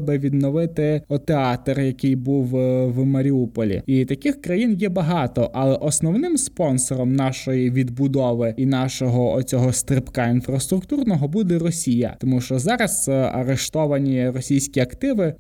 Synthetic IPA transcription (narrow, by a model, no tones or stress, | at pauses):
bɛʋʲid̪nɔʋɪt̪ɪɔt̪eɑt̪rjɐkɪjbuwʋmɐɾʲiupɔlʲḭit̪ɐkɪxkɾɐjinjɛbɐɦɑt̪ɔʔɐlˠɛʔɔsnɔwnɪmspɔnsɔɾɔmnɑʃɔjiʋʲid̪bʊd̪ɔʋɪinɑʃɔɦɔɔt͡sʲɔɦɔst̪ɾɪpkɑinfɾɐst̪ɾʊkt̪urnɔɦɔbud̪ɛrɔsʲijɐ̰t̪ɔmuʃt͡ʃɔzɑɾɐz̥ɐ̰ɾeʃt̪ɔʋɐnʲirɔsʲijsʲkʲiɐkt̪ɪʋɪ